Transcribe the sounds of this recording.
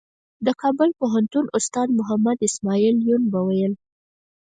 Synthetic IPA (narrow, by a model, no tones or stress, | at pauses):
d̪əkɑbʊlpoɦant̪unʊst̪ɑd̪mʊɦamad̪ɪsmɑiljunbawajəl